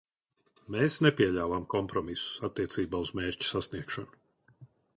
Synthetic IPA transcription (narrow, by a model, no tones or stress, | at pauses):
meːsnepʲiɛʎʲaːvamkɔmpɾɔmisu̥sat̪ːiɛt̪siːbaːuz̥meːɾʲcu̥sasniɛkʃanʊ